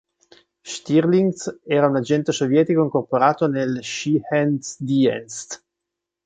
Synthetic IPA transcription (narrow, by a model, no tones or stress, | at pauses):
ʃt̪irliŋɡsɛːɾaunad͡ʒɛnt̪esovjɛːt̪ikoiŋkorpoɾaːt̪onelʃihɛnsd̪iɛ̰nst̪